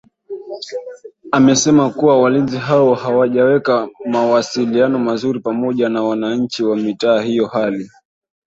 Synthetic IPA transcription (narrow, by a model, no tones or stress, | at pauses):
amɛsɛmakuwawalinziɦawɔhawaʄawɛkamawasilianɔmazuɾipamɔʄanawanaɲ̩t͡ʃiwamitaːhijɔhali